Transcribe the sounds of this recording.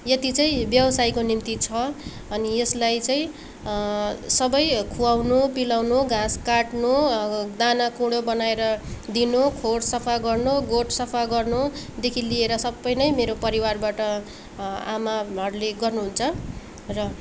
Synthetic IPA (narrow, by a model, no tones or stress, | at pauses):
jet̪it͡saĩbjʌbʌsajkonimt̪it͡sʰʌ | ʌnijeslajt͡saĩ | sʌbʌjkʰuwawnupilawnuɡãskaʈnud̪anakuɽobʌnaeɾʌd̪inukʰoɽsʌpʰaɡʌrnuɡoʈsʌpʰaɡʌrnud̪ekʰilieɾʌsʌbʌjnʌjmeɾopʌɾiwarbaʈʌ | amaʌɾuleɡʌrnuɦunt͡sʰʌ | rʌ